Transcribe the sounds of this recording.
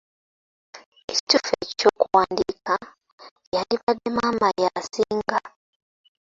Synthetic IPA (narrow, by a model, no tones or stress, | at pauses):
eci̥tufḛcco̞ːkuwaːndika | jaliβademaːmajasiːŋɡa